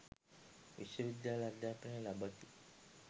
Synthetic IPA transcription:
ʋḭʃəʋid̪jalad̪apəɳelabʱət̪i

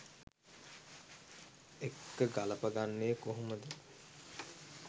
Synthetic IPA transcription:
ekːəɡalɐpəɡanːeːkoɦoməd̪ə

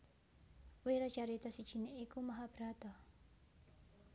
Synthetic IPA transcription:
weɾat͡ʃaɾit̪asit͡ʃineʔekomaɦabɾat̪a

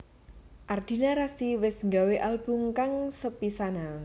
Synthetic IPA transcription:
ʔard̪̥i̤naɾast̪iwɪsŋɡaweʔalb̥ʊŋkaŋsəpisana

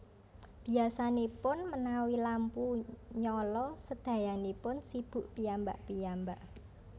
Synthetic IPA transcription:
b̥iasanepʊnmənawilampuɲɔlɔsəd̪̥ä̤janepʊnsib̥ṳʔpijambaʔpijambaʔ

